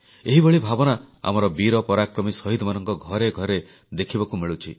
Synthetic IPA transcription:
eɦiboɭibʱabɔnaa̰mɔɾɔbiɾɔpɔɾakɾɔmisɔɦid̪ʱɔmanɔŋkɔɡʱɔɾeɡʱɔɾe | d̪ekʰibɔkumiɭut͡ʃʰḭ

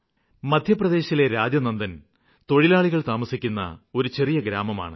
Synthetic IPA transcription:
mɐd̪ʱjɐprɐd̪e̞ːɕɐileɾaːd͡ʑjɐnɐnd̪ɐn | t̪o̞ɻilaːɭiɣɐɭt̪aːmɐsikʲːunːɐ̰o̞ɾut͡ɕe̞rijɐɡɾaːmɐma̰ːɳɨ

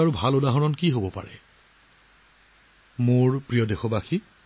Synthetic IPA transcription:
aɹubʱalodaɦɔnɔnkiɦobɔpa̰ɹɛ̰ | moɹpɹijɔdexɔbaxi

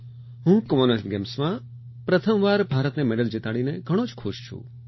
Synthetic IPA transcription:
ɦũkɔmonesʈɡemsmã | pɾət̪ʰəmʋaɾbʱaɾət̪nemeɖəld͡ʒit̪aɭineɡʱəɽ̃od͡ʒkʰʊʃt͡ʃʰṵ̃

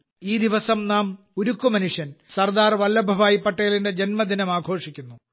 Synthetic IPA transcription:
iːd̪iʋɐsɐmnaːm | uɾukːumɐnuʂjɐnsɐrd̪aːrʋɐlːɐbʱɐʋaːjipːɐʈːejilinde̞d͡ʑenmɐd̪inɐmaːɡʰʱo̞ːʂikʲːunːu

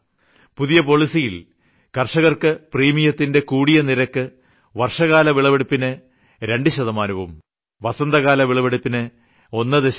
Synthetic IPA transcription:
puðijɐpo̞ɭisijil | kɐrʂɐɣɐrkɨpriːmijɐt̪ːinde̞kuːɽijɐniɾɐkːɨ | ʋɐrʂɐɣaːlɐʋiɭɐʋeɽipːinɨ | ɾe̞ɳɖɨɕɐðɐmaːnɐʋum | ʋɐsɐnd̪ɐɣaːlɐʋiɭɐʋeɽipːinɨ | o̞nːɨd̪eɕ

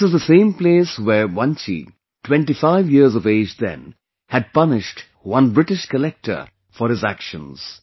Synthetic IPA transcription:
sɨzðəsẽɪ̃mpleɪswə˞wʌ̃nt͡ʃḭ | tʰwɛ̃ntifaɪvjɪɹzʌveɪd͡ʒðɨ̰̃n | hɨd̚pʌnɪʃt | wʌ̃nbɹɪʈɪʃkəlɛk̚tʰə̰˞ | fə˞ɨzækʃə̃nz̥

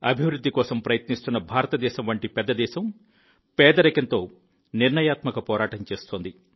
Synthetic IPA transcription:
ɐbʱiʋɾud̪ːikɔːsɐmpɾɐjɐt̪nist̪unːɐbʱaːɾɐt̪ɐd̪ɛːʃɐmʋɐɳʈipɛd̪ːɐd̪ɛːʃɐm | pɛːd̪ɐɾɐkɐnt̪o̞ː | niɾɳɐjaːt̪mɐkɐpɔːɾaːʈɐnt͡ʃe̞ːst̪oːnd̪i

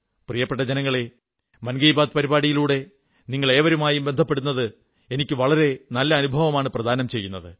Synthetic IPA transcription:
prijɐpːeʈːɐd͡ʑenɐŋːɐɭe | mɐnɡɐjbaːd̪̚pɐɾibaːɽijiluːɽe̞ | niŋːɐɭe̞ːʋɐɾumaːjumbed̪ʱɐpːe̞ɽunːɐðɨ | e̞nikʲːɨʋɐɭɐɾe̞nɐlːɐːnubʱɐʋɐmaːɳɨprɐd̪ʱaːnɐmt͡ɕe̞jːunːɐðɨ

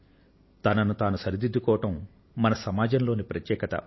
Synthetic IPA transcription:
t̪ɐnɐnut̪aːnusɐɾid̪id̪ːukɔːʋɐʈɐmː | ɐnɐsɐmaːd͡ʒɐmloːnipɾɐt̪jɛːkɐt̪ɐ̰

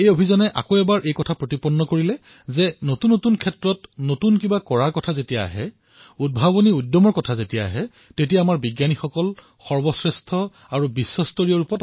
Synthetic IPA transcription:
ejobʱizɔnɛʔa̰koɛbaɹʔejkɔtʰapɹotipɔnːɔkoɹilɛ | zɛnotunːotunkʰɛtɹɔtnotunkibakɔɹaɹkɔtʰazetijaa̰ɦɛ | ud̚bʱaboniudjɔmɔɹkɔtʰazetija̰ːɦɛ | tetijaːmaɹbiɡjanixɔkɔl | xɔɹbɔsɹɛstʰɔ | aɹubisːɔstoɹijɔɹupɔt

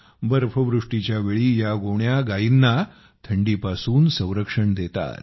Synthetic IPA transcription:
bəɾfəʋɾuʂʈit͡ɕjaʋeɭiːjaɡoɳjaɡainːa | t̪ʰəɳɖiːpasuːnsə̃w̃ɾəkʂəɳd̪et̪a̰t̪̚

